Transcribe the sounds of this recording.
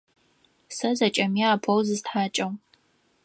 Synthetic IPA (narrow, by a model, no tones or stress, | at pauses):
sɐzɐt͡ʃʼɐmiaːpʰɔwzɨztħaːt͡ʃʼɐw